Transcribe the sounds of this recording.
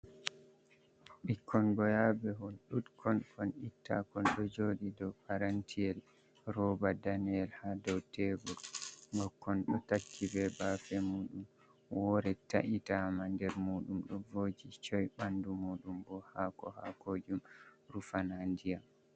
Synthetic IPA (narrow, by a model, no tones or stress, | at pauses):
ɓikʰːɔnɡɔjabɛhɔlɗutkʰɔnkɔnitʰːa̰kɔnɗɔd͡ʒoːɗidɔpaɾantʰiɛl | rɔbadanɛlhadɔwtʰeɡuɾɡɔkːɔnɗɔtakʰːivɛbafɛmuːɗum | wɔɾɛtaʔitamandɛɾmuːɗumɗɔvoːd͡ʒit͡ʃɔjɓandumuːɗumbɔhakɔhakoːd͡ʒumɾufanandijam